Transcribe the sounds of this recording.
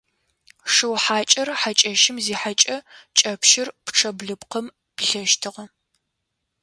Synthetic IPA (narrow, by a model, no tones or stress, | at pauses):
ʂɨwħaːt͡ʃʼɐrħat͡ʃʼɐʃɪmziːħat͡ʃʼɐt͡ʃʼɐpʃɪrpʈ͡ʂʰɐbɮɨpqəm | pɬɐʃtʰɨʁɐ